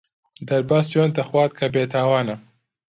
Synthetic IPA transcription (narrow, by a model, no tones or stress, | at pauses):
d̪ɐɾbaːsijont̪ɐxwɑːt̪̚kʰabeːt̪ʰaːwaːnɐ